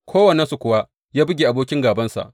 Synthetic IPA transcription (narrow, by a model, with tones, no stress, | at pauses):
kʰʷoː˦wɐ˨ne˦nsu˨kʷʊ˨wa˦ | jaː˦bɪ˦ɡʲeː˨ʔa˨boː˦kʲɪ˦ŋɡaː˨bɐ˦nsa̰˨ʔ